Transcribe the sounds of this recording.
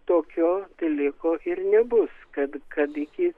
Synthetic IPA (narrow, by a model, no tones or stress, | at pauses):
t̪oːkʲoːt̪ɐɪlʲɪkoːʔɪrnʲɛbʊskɐt̪kɐt̪ɪkʲɪ